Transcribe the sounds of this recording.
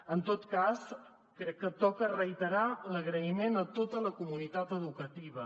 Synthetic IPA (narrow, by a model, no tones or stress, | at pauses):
ənt̪ot̪kas | kɾɛkːət̪ɔkərəjt̪əɾaləɣɾəimenət̪ot̪ələkumunit̪at̪əðukət̪iβ̞ə